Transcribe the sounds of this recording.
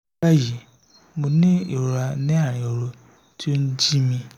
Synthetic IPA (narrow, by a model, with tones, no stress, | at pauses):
a˦ji˨ | mo˨˧nĩ˦i˨ɾo˨a˧nĩ˦a˦˨ɾ̃ĩ˨o˨ɾo˧ | tʰi˦o˦n̩˦d͡ʒi˦mĩ˧